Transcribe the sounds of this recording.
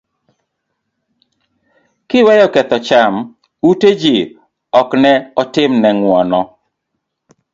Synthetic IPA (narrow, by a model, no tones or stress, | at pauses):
kɪwɛjɔkɛt̪ɔt͡ʃam | uted͡ʒi | ɔknɛɔtɪmnɛŋwɔnɔ